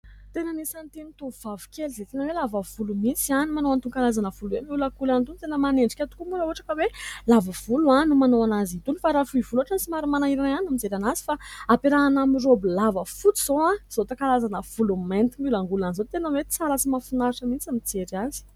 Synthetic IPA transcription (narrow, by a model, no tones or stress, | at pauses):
t̪enənisant̪init̪uvavi̥kʲelzet̪enəwelavəv̥ulumit͡sianimanowant̪uŋkalazanəv̥uluwemiulakulant̪unit̪enəmaneɳɖ͡ʐikʲat̪u̥kumuɾəuaʈ͡ʂakəwelavəv̥uluanumanowanazit̪unifaɾafuivuluaʈ͡ʂansimaɾimanaiɾaanamizeɾanazi̥faapeɾaanamirobilavəfut͡siz̥oãz̥ot̪akalazanəv̥ulument̪imilaŋɡulanizot̪enəwet͡salat͡simafinaɾʈ͡ʂəmit͡samit͡seɾaz̥i̥